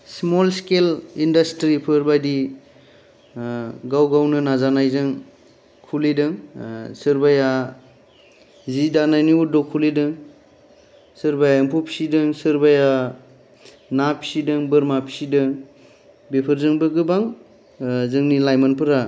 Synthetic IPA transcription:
smolskelindastɾipʰɯɾbajdi | ɡawɡawnɯnazanajzɯŋ | kʰulidɯŋsɯɾbaja | zidanajniudɔkʰːulidɯŋ | sɯɾbajaɯmpʰupʰi̥sidɯŋsɯɾbaja | napʰi̥sidɯŋbɯɾmapʰi̥sidɯŋ | bepʰɯɾzɯŋbɯɡɯbaŋ | zɯŋnilajmanpʰɯɾa

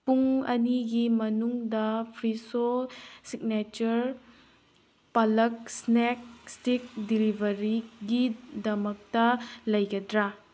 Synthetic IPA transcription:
puŋɐniɡimɐnuŋdɐpʰɾisosik̚net͡ʃɐɾ | pɐlɐk̚snek̚stik̚dilibʱɐɾiɡidɐmɐk̚tɐlɐjɡɐdɾɐ

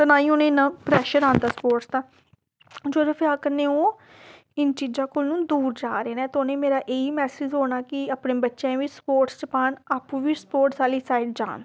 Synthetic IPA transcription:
t̪ənaːĩːonẽːɪnːãːpɾɛːʃəɾãːnd̪aːspoːʈst̪ãː | d͡ʒoːd̪eːpʰɪɾaːkənːẽːõː | ɪnt͡ʃiːd͡ʒãːkoːlnũːd̪uːɾd͡ʒaːɾeːnɛːt̪onẽːmeːɾaːʔeːiːmɛːsɪd͡ʒɦoːɽ̃aːkɪapneːbətːʃãːʋiːspoːɾʈst͡ʃəpaːnaːpũːʋiːspoːɾʈsaːliːsaːiɖ̚d͡ʒa̰ːn

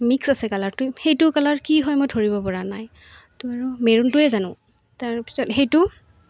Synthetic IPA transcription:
miksasɛkalaɹtʊhejtʊkalaɹkiɦɔjmɔjdʰʱoɹibɔpɔɹanaj | tɔaɹʊmeɹuntʊɛzanʊ̰̃ | taɹpi̥sɔtxejtʊ

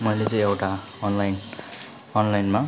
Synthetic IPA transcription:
mʌjlet͡sʌ̃ĩewʈa | ʌnlajn | ʌnlajnma

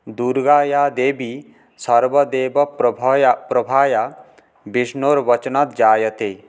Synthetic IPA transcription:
d̪uɾɡaːjaːd̪eːbi | sɐɾbɔd̪eːbɔ | pɾɔbʱaːja | biʃnoɾʋɐt͡ʃnat̪d͡ʒaːjɐt̪e

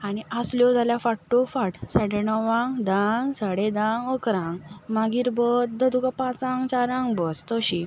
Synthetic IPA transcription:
aɽ̃iəsljɔd͡zʱaljafaɽʈofaʈsaɽenəʋãŋd̪ãŋɡsaɽed̪ãŋɡəkɾãŋɡmaɡiːɾbət̪̚d̪ʱəd̪ukapãt͡sãŋɡt͡ɕaɾãŋɡbəst̪əɕi

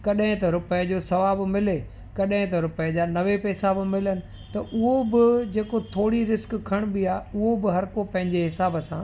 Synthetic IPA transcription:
kɐɗɦɪ̃t̪ɐɾʊpəjd͡ʑoːsɐʋaːbɪmɪle | kɐɗɦɪ̃t̪ɐɾʊpəjd͡ʑaːnɐʋepɛːsabɪmɪlənɪ̆ | t̪ɐʔʊɦobɪd͡ʑeːkot̪ʰoːɽiɾɪzkkʰɐɽ̃biaːʊɦobɪɦɐɾkopɐ̃ɦɪ̃ɲd͡ʑeɦɪsaːbəsãː

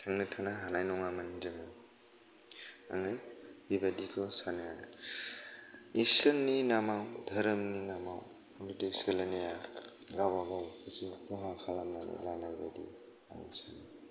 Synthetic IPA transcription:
tʰaŋnɯtʰanaɦanajnɔŋamanid͡ʒɯmɯ | a̰ŋɯbibadikʰɔsaneja | isɯnːinamawdʱəɾəmninamaw | nidiselaneja | ɡawaɡawkʰɯsipɔɦakʰalamnanḭlanajbadḭ | a̰ŋṵsani

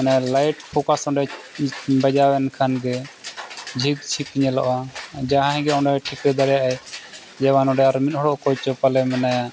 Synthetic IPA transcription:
analajʈpʰɔkasɔ̃ɖɛ | bɛd͡ʒawɛnkʰanɡɛ | d͡ʒʱiɡ̚t͡ʃʰikiɲɛlɔ̰ʔad͡ʒaɦãɦɛ̃ɡɛɔɖɛʈʰikɛd̪aɾɛjaʔaj | d͡ʒɛwanɔ̃ɖɛaɾmit̪̚ɦɔɽɔʔkɔt͡ʃɔpalɛmɛnaja

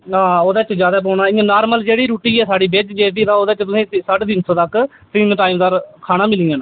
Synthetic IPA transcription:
ɦãːoːd̪aːt͡ʃd͡ʒjaːd̪aːp̬oːnaːɪãːnaːɾməld͡ʒeːɽiːɾuːʈiːɛːsaːɖiːbed͡ʒd͡ʒeːt̪iːt̪ãːoːd̪aːt͡ʃt̪ʊsĩːsəʈd̪ɪnsõːt̪ək | t̪ɪːmʈaːimd̪aːɾkʰaːnaːmɪliːãːn

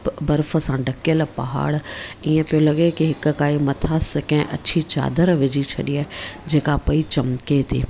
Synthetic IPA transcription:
bɐɾfə̆sãɖʱɐkjəlpɐɦa̰ːɽiːẽpɐolɐɡekiɦɪkkaːimɐt̪ʰaskɐ̃ɦɪ̃ʔɐ̰t͡ɕʰit͡ɕa̰ːd̪əɾʋɪd͡ʑit͡ɕʰɐɗiaːɦed͡ʑeːkapɐit͡ɕɐmket̪ʰiː

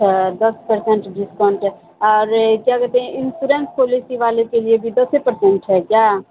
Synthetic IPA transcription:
d̪əspəɾsɛ̃ɳʈɖɪskɔːɳʈɛː | ɔːɾkjaːkət̪ẽːɪnsuːɾɛ̃ːnspoːliːsiːʋaːlekeːlɪeːbʱiːd̪əsepəɾsɛ̃ɳʈɦɛːkjaː

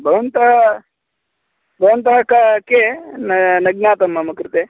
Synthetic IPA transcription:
bʱɐʋɐnt̪ɐɐ | bʱɐʋɐnt̪ɐɦɐkɐkenɐnɐɡnaːt̪ɐmːɐmɐkɾɨt̪e

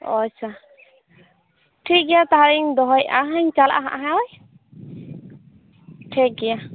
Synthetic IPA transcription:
ɔ̰t͡ʃʰa | ʈʰik̚ɡɛjat̪aɦaɾiŋd̪ɔɦɔjaɦaɲt͡ʃala̰ʔaɦa̰ʔaɦãɔj | ʈʰik̚ɡɛja

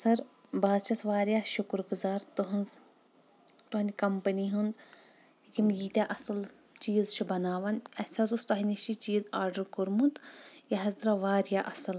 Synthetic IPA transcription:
sɐɾ | baːzt͡ʃʰɐsʋaːɾjaːʃukɾɡuzaːɾt̪uɦɐnz | t̪uɦɐnʲd̪ʲkɐmpɐniɦund̪ | jimjiːt̪ʲaʔɐsɨl | t͡ʃiːzt͡ʃʰubɐnaːʋɐnɐsʲɐzust̪ɐɦiniʃit͡ʃiːzaːɾɖəɾkuɾmunt̪jɐɦɐzd̪ɾɐʋaːɾjaːʔɐsɨl

